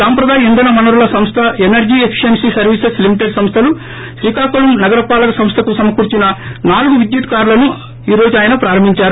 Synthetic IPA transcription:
saːmpɾɐd̪aːjiind̪ɐnɐmɐnuɾulɐsɐmst̪ʰɐenɐɾd͡ʒiːepʰi̥ʂensisɐɾʋiːseslimiʈe̞ɖsɐmst̪ʰɐlu | ʃɾiːkaːkulɐmnɐɡɐɾɐpaːlɐkɐsɐmst̪ʰɐkusɐmɐkuːɾt͡ʃinɐnaːluɡuʋid̪jut̪kaːɾlɐnu | iːɾo̞ːd͡ʒuaːjɐnɐpɾaːɾɐmbʱiɲt͡ʃaːɾu

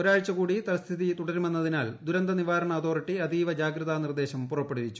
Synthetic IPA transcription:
oɾaːɻt͡ɕːɐkuːɽit̪ɐɾɐst̪ʰiðit̪uɽɐɾumenːɐðinaːld̪uɾɐnd̪ɐniʋaːɾɐɳɐɐt̪ʰo̞ːriʈːiɐd̪iːʋɐd͡ʑaːɡɾɐðanird̪e̞ːɕɐmpurɐpːeɽuʋit͡ɕːu̥

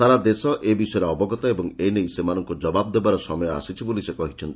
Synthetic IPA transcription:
saɾad̪esɔʔebisɔjɔɾeɔbɔɡɔt̪ɔebɔŋejnejsemanɔŋkud͡ʒɔbab̚d̪ebaɾɔsɔmɔjɔa̰sit͡ʃʰibolisekɔɦit͡ʃʰɔnt̪i

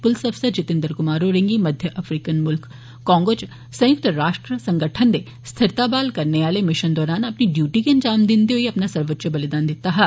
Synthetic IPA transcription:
pʊlsɐbsəd̪t͡ʃɪt̪ɪ̃nd̪əɾkʊmaːɾoɾẽŋɡimɐd̪ʱjəʔɐfʰɾiːkənmʊlkː | ɔ̃ːŋɡoːt͡ʃ | sɐ̃jʊk̚t̪ɾaːʂʈɾəsɐ̃ŋɡəʈʰənd̪e | st̪ʰɪɾt̪abaːlkɐɾneaːlemɪʃənd̪ɔːɾaːnɐpniɖjuːʈikeɐɲd͡ʒaːmd̪ɪnd̪eɦoiɐpnasɐɾʋətːt͡ʃəbɐlɪd̪aːnd̪ɪt̪aɦɛː

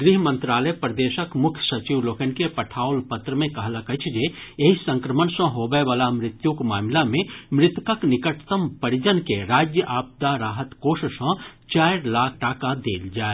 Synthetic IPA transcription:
ɡɾiɦmə̃nt̪ɾaːləjpɾəd̪eːʃəkmʊkʰjsɐt͡ʃiʋloːkənkepɐʈʰaːʊlpət̪ɾəmẽkɐɦlakət͡ʃʰd͡ʒejeɦisə̃ŋkɾəmənsə̃ɦoːbəʋaːlamɾɪt̪jukmaːmlamẽmɾɪt̪wkəknɪkəʈʰt̪əmpəɽid͡ʒənkeɾaːd͡ʒjəʔaːp̚d̪aɾaːɦət̪koːʃəsə̃t͡ʃaːɪɾlaːkʰʈaːkad̪eːld͡ʒaːe

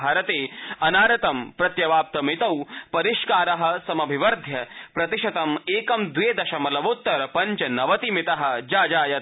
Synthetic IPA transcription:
aːɾɐt̪eːɐnaːɾɐt̪ɐmpɾɐt̪jɐʋaːp̚t̪ɐmit̪ɐwpɐɾiʃkaːɾɐɦɐ̆sɐmɐbʱiʋɐɾd̪ʱjɐpɾɐt̪iʃɐt̪ɐmeːkɐmd̪ʋeːd̪ɐʃɐmɐlɐʋoːt̪ːɐɾpɐɲt͡ʃɐnɐʋɐt̪imɪt̪ɐɦɐ̆d͡ʒaːd͡ʒaːjɐt̪

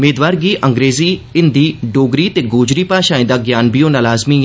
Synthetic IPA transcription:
meːd̪ʋaːɾɡiːʔəŋɡɾeːziːɪnd̪iːɖoːɡɾiːt̪eːɡoːd͡ʒɾiːpaːʃãːẽːd̪aːɡjaːnbijoːnaːlaːzmiː

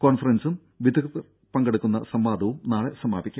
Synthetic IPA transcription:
koːɳfɐrɐnsɨm | ʋid̪ɐkɐðɨ | pɐŋɡeɽukːunːɐsɐmbaːd̪ɐʋumnaːɭesɐmaːbikʲːu

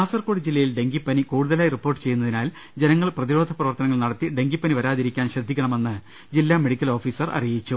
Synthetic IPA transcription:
aːsɐrko̞ːɽid͡ʑilːɐjilɖe̞ŋɡipːɐnikuːɽuðɐlaːjiripːo̞ːrʈːɨ̥t͡ɕe̞jːunːɐðinaːl | d͡ʑenɐŋːɐɭprɐðiɾo̞ːd̪ʱɐprɐʋɐrt̪ɐnɐŋːɐɭnɐɽɐt̪ːiɖe̞ŋɡipːɐniʋɐɾaːðiɾikʲːaːnɕɐd̪ʱːikʲːɐɳɐme̞nːɨ | d͡ʑilːameɽikʲːɐlo̞ːfiːsɐrʔɐ̰rijit͡ɕːu

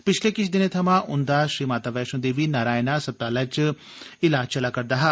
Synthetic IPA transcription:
pɪt͡ʃʰleːkɪt͡ʃʰd̪ɪnet̪ʰəmãːʔʊnd̪aːʃɾiːmaːt̪aːʋɛːʃõnd̪eːʋiːnaːɾaːenaːsəb̚t̪aːlaːt͡ʃ | ɪlaːd͡ʒt͡ʃəlaːkəɾd̪aːɦaː

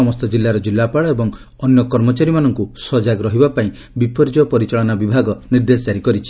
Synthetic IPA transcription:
ɔmɔst̪ɔd͡ʒilːaɾɔd͡ʒilːapaɭɔebɔŋ | ɔnjɔkɔɾmɔt͡ʃaɾimanɔŋkusɔd͡ʒaɡɾɔɦibapaĩ | bipɔɾd͡ʒɔpɔɾit͡ʃaɭɔnabibʱaɡɔniɾd̪esd͡ʒaɾikɔɾit͡ʃʰi̥

